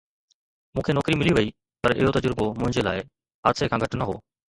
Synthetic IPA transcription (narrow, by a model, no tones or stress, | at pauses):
mũːkʰenɔːkɾimɪliʋɐiː | pɐɾɪ̰ɦot̪əd͡ʑəɾbomʊ̃ɦɪ̃ɲd͡ʑela̰ːɪ | ɦaːsekʰãːɡʱəʈnəɦo̰ː